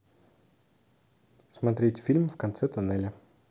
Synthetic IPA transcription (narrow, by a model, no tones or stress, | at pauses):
smɐt̪ɾʲetʲfʲilʲmfkɐnt̪sɛt̪ʊnɛlʲɐ